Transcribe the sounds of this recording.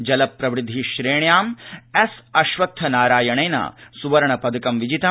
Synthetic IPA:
d͡ʒɐlɐpːɾɐʋɾud̪ʱːiʃɾeːɳjaːmesɐʃʋɐt̪ʰːɐnaːɾaːjɐɳɐjnɐ̰suʋɐɾɐɳɐpɐd̪ɐkɐmʋid͡ʒit̪ɐ

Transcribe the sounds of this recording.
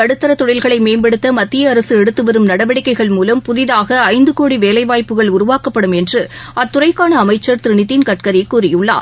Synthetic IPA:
ɐɽɯt̪ːɐɾɐt̪ːɔɽɪlɣɐɭɐɪmeːmbɐɽɯt̪ːɐmɐt̪ːɪjɐːɾɐsɯɛɽɯt̪ːɯʋɐɾɯmnɐɽɐʋɐɽɪkːɐɪɣɐɭmuːlɐmpʊðɪðaːɣɐːɪnd̪ɯkoːɽiʋeːlɐɪʋaːjpːɯɣɐɭʊɾʊʋaːkɐpːɐɽɯmɛndrɯʔɐt̪ːʊrɐɪkːaːɳɐːmɐɪt͡ʃːɐɾt̪ɪɾɪɳɪt̪ːɪnkɐʈkɐɾɪkːuːɾɪjɯɭːa̰ː

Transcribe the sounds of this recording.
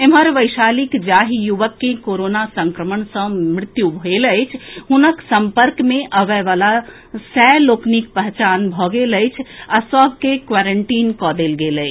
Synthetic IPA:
emɦəɾʋəjʃaːlikd͡ʒaɦijuʋəkːekoɾonasəŋkɾəmənsə̃mɾɪt̪jubʱoeləjt͡ʃʰɦunəksəmpəɾkmẽʔəʋɛʋala | sɛloːknik̚pəɦt͡ʃanbʱɔɡeləjt͡ʃʰasəbʱkekʋaɾəɳʈiːnkɔd̪elɡelət͡ʃʰ

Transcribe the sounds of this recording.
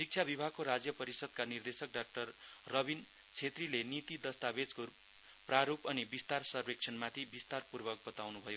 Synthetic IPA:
sik̚t͡sʰjabibʱaɡkoɾad͡zjʌpʌɾisʌd̪̚kanird̪esʌk̚ɖak̚ʈʌrː | ʌbin | t͡sʰet̪rilenit̪id̪ʌst̪abed͡zko | praɾupʌnibist̪arsʌrbek̚t͡sʰʌnmat̪ʰibist̪arpurbʌk̚bʌt̪awnubʱʌjo

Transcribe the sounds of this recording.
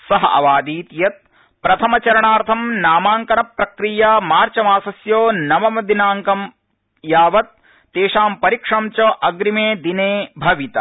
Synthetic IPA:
sɐɦɐʔɐ̰ʋaːd̪iːt̪jɐt̪̚ | pɾɐt̪ʰɐmɐt͡ʃɐɾɐɳaːɾt̪ʰɐmnaːmaːŋkɐnɐpɾɐkɾijamaːɾt͡ʃɐmaːsɐsjoːnɐmɐmɐd̪inaːŋkɐm | jaːʋɐt̪̚ː | eːʃaːmpɐɾikʂɐmt͡ʃɐʔɐɡɾimeːd̪ineːbʱɐʋit̪ɐ

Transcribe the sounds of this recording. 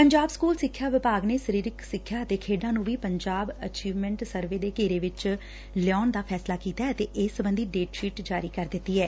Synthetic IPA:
pəɲd͡ʒaːbskuːlsɪkʰːjaːʋɪpaːɡneːsəɾiːɾɪksɪkʰːjaːət̪eːkʰeːɖãːnũːʋiːpəɲd͡ʒaːbət͡ʃiːʋmɛ̃ɳʈsəɾʋeːd̪eːkeːɾeːʋɪt͡ʃ | lɪɔːnd̪aːpʰɛːslaːkiːt̪aːɛət̪eːʔeːsəbənd̪iːɖeːʈʃiːʈd͡ʒaːɾiːkəɾd̪ɪt̪ːiːɛː

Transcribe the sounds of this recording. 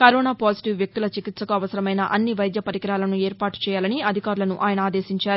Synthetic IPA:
kɐɾɔːnaːpaːsi̥ʈiʋːjɐk̚t̪ulɐt͡ʃikit̪sɐkuɐʋɐsɐɾɐmɐjnɐʔɐnːiʋɐjd̪jɐpɐɾikɐɾaːlɐnueːɾpaːʈu̥t͡ʃɛːjaːlɐniɐd̪ʱikaːɾulɐnuʔaːjɐnɐaːd̪eːsiɲt͡ʃaːɾu

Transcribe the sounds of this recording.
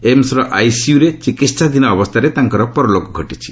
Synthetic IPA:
emsɾɔʔajsiuɾet͡ʃikit̪sad̪inɔːbɔst̪ʰaɾet̪aŋkɔɾɔpɔɾɔlokɔɡʱɔʈit͡ʃʰi̥

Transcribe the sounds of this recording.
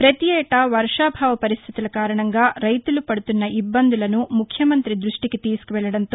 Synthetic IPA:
pɾɐt̪jɛːʈɐʋɐɾʂaːbʱaːʋɐpɐɾist̪ʰit̪ilɐkaːɾɐɳɐŋɡaːɾɐjt̪ulupɐɽut̪unːɐʔibːɐnd̪ulɐnumukʰjɐmɐnt̪ɾid̪ɾuʂʈiket̪iːskuʋɛɭɐɽɐnt̪o

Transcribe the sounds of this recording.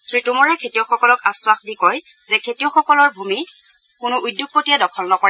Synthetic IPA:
sɹitumɔɹɛkʰetijɔxɔkɔlɔkaswaxdikɔj | zɛkʰetiɔxɔkɔlɔɹbʱumi | kʊnʊʔujdːjuk̚kotijadɔkʰɔlnɔkɔɹɛ

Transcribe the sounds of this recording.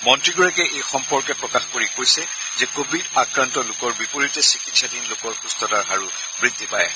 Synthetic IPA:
mɔntɹiɡɔɹakɛʔejxɔmpɔɹkɛpɹɔkaxkoɹikojsɛ | zɛkobʱidakɹantɔlʊkɔɹbipoɹitɛsikitsadinlokɔɹxustɔtaɹɦaɹu | bɹidːipajɛ

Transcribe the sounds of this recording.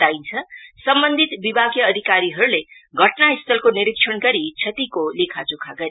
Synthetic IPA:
ajnt͡sʰʌsʌmbʌnd̪ʱit̪bibʱaɡjʌːd̪ʱikaɾiɦʌɾuleɡʱʌʈnaist̪ʰʌlkoniɾik̚ʂʰʌnɡʌɾit͡sʰʌt̪ikolekʰad͡zukʰaɡʌɾi

